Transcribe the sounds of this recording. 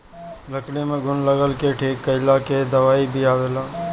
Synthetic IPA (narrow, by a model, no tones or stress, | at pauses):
ləklemẽɡʱʊnləɡəlkeʈʰiːkːəɪlaked̪əʋaːibʱiaːʋelaː